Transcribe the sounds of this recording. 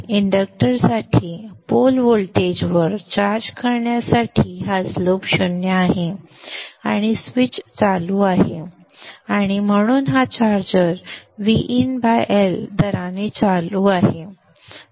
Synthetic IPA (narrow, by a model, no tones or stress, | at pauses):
iɳɖək̚ʈəɾsaʈʰiːpolʋolʈed͡ʑʋəɾt͡ɕaɾd͡ʑkʰəɾɳjasaʈʰiːɦad͡zlopɕunjaaɦe | aɽ̃isʋit͡ɕt͡saluaɦe | aɽ̃im̤əɽ̃uːnɦat͡ɕaɾd͡ʑəɾʋiʔinbajʔeld̪əɾanet͡saluaɦe